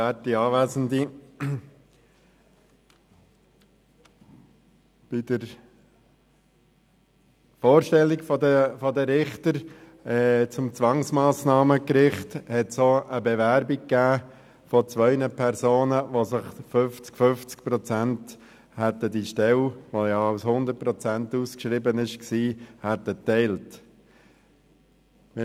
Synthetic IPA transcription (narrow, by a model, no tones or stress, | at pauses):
ætiɑːʋæːzənd̪i | b̥idəɾ | foːɾʃtɛlːikfɔdəfɔdəɾɪχt̪əɾ | ɛːt͡sʊmt͡sʋɑŋsmɑːsnɑːməkɾɪχthɛtsoʔəbɛvæɾbikkːæː | fɔt͡sʋœʏnəpʰɛɾsoːnəʋosɪχfʏft͡skfʏft͡skpɾɔt͡sænt | hætədiʃtɛlʋojɑaʊshʊnd̪əɾt̚pɾɔt͡sæntuskʃɾɪbənɪʃksiːhætːətɛɪlt